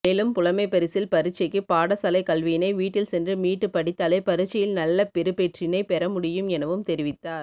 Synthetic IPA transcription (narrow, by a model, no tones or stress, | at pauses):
meːlɯmpʊlɐmɐɪpːɐɾɪsɪlpɐɾɯt͡ʃːɐɪkːɯpaːɽɐsɐlɐɪkɐlʋɪjnɐɪʋiːʈːɪlsɛndrɯmiːʈːɯpɐɽɪt̪ːaːlɐɪpɐɾɯt͡ʃːɪjɪlnɐlːɐpɪɾɯpeʈrɪnɐɪpɛɾɐmʊɽɪjɯmɛnɐʋɯmt̪ɛɾɪʋɪt̪ːaːɾ